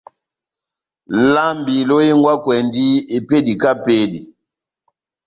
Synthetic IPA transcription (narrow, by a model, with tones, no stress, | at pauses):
la˦mbi˨lɔ˦je˦ŋɡwa˦kwɛ˨ndi˦e˨pe˦di˨ka˦pe˦di˨